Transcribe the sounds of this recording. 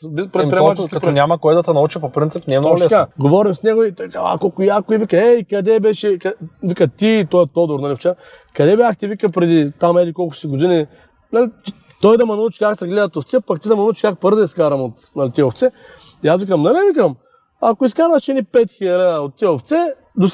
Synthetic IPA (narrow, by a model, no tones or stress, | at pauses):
bipɾɛɾɐtpɔnʲamɐkɔjd̪ɐt̪ɛnɐut͡ʃipopɾint̪sipnɛːmnoɡɛaɡovɔɾimsnɛɡʊit̪kava̰kokʊjakʊivikɐɛikɐd̪ɛbɛʃɛkɐvikət̪iːt̪ɔjət̪ɔd̪ʊɾnɐlʲift͡ʃa | kɐd̪ɛbʲjaxt̪ivikəpɾɛd̪it̪amɛlikɔlˠkʊ̥siɡod̪ini | nalit͡ʃ | t̪ɔjd̪ɐmɐnɐut͡ʃi̥kaksɐɡlɛd̪ɐt̪oft̪sɛpɐk̚t̪id̪ɐmɐnɐut͡ʃi̥kak̚pəɾd̪ɛiskaɾɐmot̪nɐlʲit̪iɛoft̪sɛ | iasvikəmnɐlɛvikəm | ɐkʊiskaɾvɐʃɛnipɛt̪xilɐlaot̪ːiɛoft̪sɛ | d̪os